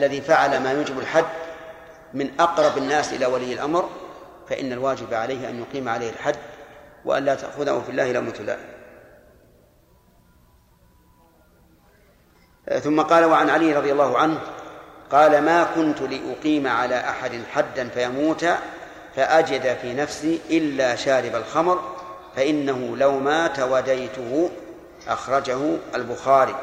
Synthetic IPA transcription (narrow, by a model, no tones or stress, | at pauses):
ʔalːaðiːfaʕalamaːjuːd͡ʒɪbalħad̪ː | mɪnʔɑqɾˤɑbanːaːsʔɪ̰laːwalɪjːalʔamɾ | faʔɪ̰nːalwaːd͡ʒɪbʕalajhɪʔa̰njʊqiːmʕalajhalħad̪ːwa̰ʔa̰nlaːt̪a̰ʔxʊðaafɪlːa̰ːhɪlamuːt̪ʊla̰ː | θʊmːaqɑːlawaʕanʕalijɾˤɑðˤjɑlːɑːhʊʕanhqɑːlamaːkʊnt̪lɪʔʊqiːmaʕalaːʔaħad̪ɪnħad̪ːanfajamuːt̪a | faʔad͡ʒɪd̪afiːnafsiːʔɪlːaːʃaːɾɪbalxɑmɾfaʔɪnːahʊlawmaːt̪awad̪ajt̪ʊhʊ | ʔaxɾˤɑd͡ʒahʊalbʊxaːɾiː